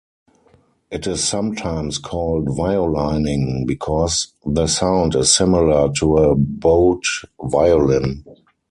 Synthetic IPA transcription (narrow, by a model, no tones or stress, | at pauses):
ʔɪtɪsːãmtʰãɪ̃mskʰɔːldvaɪolãɪnɪ̃ŋbikʰɔs | ðəsãʊ̃ndɪssɪmɪlə˞tʰuəboʊtvaɪɔlɪ̃n